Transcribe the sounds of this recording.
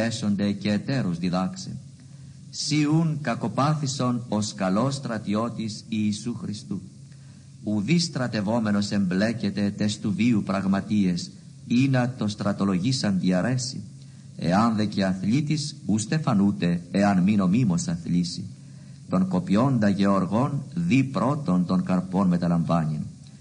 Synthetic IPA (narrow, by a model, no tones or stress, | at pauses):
eso̞nd̪e̞ce̞ːt̪e̞ɾuzðiðɐksḛ | siuŋkɐko̞pɐθiso̞no̞skɐlo̞st̪ɾɐt̪io̞t̪isiːsuxɾist̪u | uðist̪ɾɐt̪e̞vo̞me̞no̞se̞mble̞cet̪e̞t̪est̪uviupɾɐɣmɐt̪ie̞s | inɐt̪o̞st̪ɾɐt̪o̞lo̞ʝisɐnd̪iɐɾʔe̞sḭ | e̞̰ɐnðe̞ceɐθlit̪isust̪e̞fɐnut̪e̞ːɐnmino̞mimo̞sɐθlisḭ | t̪o̞ŋko̞pio̞nd̪ɐʝe̞oɾɣo̞nðipɾo̞t̪o̞nt̪o̞ŋkɐɾpo̞nme̞t̪ɐlɐɱvɐnin